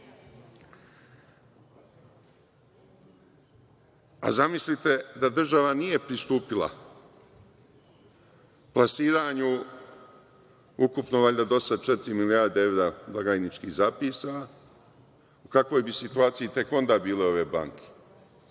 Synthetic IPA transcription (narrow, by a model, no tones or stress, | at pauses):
a̰zamislit̪e̞d̪ad̪r̩ʒaʋanije̞pɾist̪uːpila̰ | plˠasiːɾaːɲu | ukupnoʋaʎʲd̪ad̪o̞sad̪̚t͡ʃe̞t̪iɾimilijaːɾd̪ee̞ʋɾaːblˠaɡaːjnit͡ʃkiːhzapiːsa | ukakʋo̞jbisit̪uaːt̪sijit̪e̞ko̞nd̪aːbiːle̞o̞ʋe̞ːba̰ŋkʰe̥